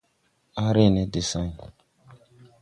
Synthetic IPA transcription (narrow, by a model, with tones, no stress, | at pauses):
a˦ɾe˦˨nɛ˨˦de˨sã˦ɲ˨